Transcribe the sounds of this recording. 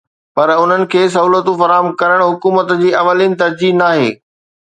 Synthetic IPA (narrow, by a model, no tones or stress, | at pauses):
pɐɾʊn̤ənɪ̆kʰeːs̬ɐɦuːlət̪ufɐɾaːɦəmkɐɾəɽ̃ɦʊkuːmət̪d͡ʑiːɐʋəlinɪ̆t̪ɐɾd͡ʑiːnaːɦḛː